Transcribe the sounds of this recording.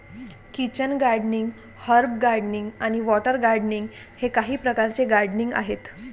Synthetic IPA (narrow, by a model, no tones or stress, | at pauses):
kit͡ɕənɡaɾɖniŋɡ | həɾbɡaɾɖniŋɡañiʋɔʈəɾɡaɾɖniŋɡ | hekaɦiːpɾəkaɾt͡seɡaɾɖniŋɡa̰ɦet̪